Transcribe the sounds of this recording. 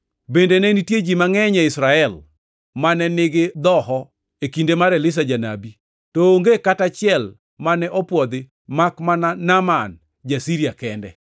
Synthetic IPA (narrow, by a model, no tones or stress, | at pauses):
bendenɛnitjed͡ʒimaŋɛɲɛɪsɾaɛl | manɛnɪɡɪd̪ɔhɔ | ekindemaɾɛlɪs̬ad͡ʒana̰bi | tooŋɡekatat͡ʃɪɛl | manɛʔɔpwɔd̪ɪ | makmananaman | d͡ʒasiɾijakɛndɛ̰